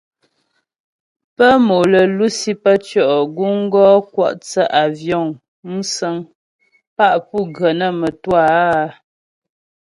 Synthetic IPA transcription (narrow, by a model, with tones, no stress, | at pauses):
pə˦mo˨lə˨lu˦si˦pə˦t͡ʃɔ˦˨ʔɡu˦ŋ̩˦ɡɔ˦kwɔ̰˦˨ʔt͡sə˦ʔa˨vjɔ˦˨ŋ | n̩˦sə˦ŋ | pa˦ʔpu˦˨ɡə˨nə˦˨mə˨twa˦˨˦